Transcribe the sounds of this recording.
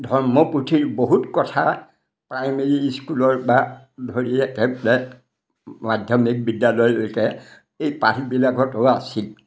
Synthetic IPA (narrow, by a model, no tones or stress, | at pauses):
dʱɔɹmɔputʰiɹboɦutkɔtʰa̰ | pɹajmeɹiskulɔɹba | dʱoɹiɛkɛblɛ | madʱjɔmik̚bidjalɔjlojkɛ | ejpaɾʰbilaɡɔtowaasil